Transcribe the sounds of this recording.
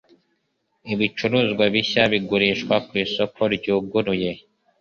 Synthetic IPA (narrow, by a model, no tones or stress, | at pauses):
iβit͡ʃuɾuzɡwaβiçaβiɡuɾiʃkwakwiːso̞kʰo̞ɾɟuːɡuɾuje̞